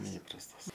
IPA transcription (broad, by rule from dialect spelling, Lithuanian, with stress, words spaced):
nʲɛˈiːprɐstɐs